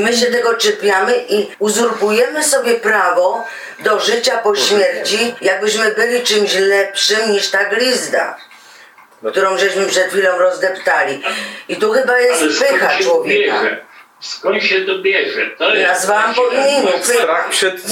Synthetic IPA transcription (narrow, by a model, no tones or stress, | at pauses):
mɘɕɛt̪ɛɡɔt͡ʂɛpʲjamɘʔiuzuɾpujɛmɘsɔbʲjɛpɾavɔ | d̪ɔʐɘt͡ɕapɔɕmʲjɛɾt͡ɕijaɡ̚bɘɕmɘbɘlʲit͡ʂɘmɕlɛpʂɘmɲiʂt̪aɡlʲizd̪a̰ | kkt̪uɾɔ̃w̃ʐɛɕmɘpʂɛt̪xʲfʲilɔ̃w̃ɾɔzd̪ɛpt̪alʲiit̪uxɘbajɛpɪxat͡ʂwɔvʲjɛɛka | skɔɕɛd̪ʲɛʐɛnazvawampɔviɲʲeɲɛpapʂɛt̪